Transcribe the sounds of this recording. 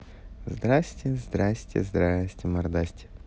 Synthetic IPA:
zd̪ɾasʲtʲɪzd̪ɾasʲtʲɪ̰zd̪ɾasʲtʲɪmɐɾd̪asʲtʲɪ̥

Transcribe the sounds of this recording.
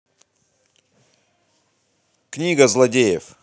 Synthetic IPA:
knʲiɡəzlˠɐdʲejɪf

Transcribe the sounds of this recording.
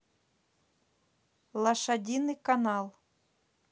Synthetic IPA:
lˠɐʃɐdʲinɨkɐnɑlˠ

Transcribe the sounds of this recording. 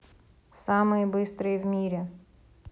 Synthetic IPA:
sɑmɨjɛbɨst̪ɾɨjvmʲiɾʲɛ

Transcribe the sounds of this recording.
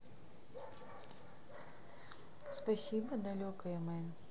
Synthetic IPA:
spɐsʲibɐd̪ɐlʲɔkɐjɛmɛn

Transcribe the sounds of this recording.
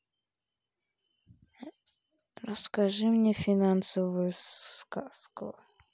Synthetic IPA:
ɾəskaʐɨmnʲɛfʲinansəvɨjɛskask

